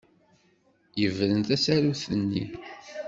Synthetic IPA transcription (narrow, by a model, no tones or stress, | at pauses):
jəvɾənt̪æsæɾuθənːḭ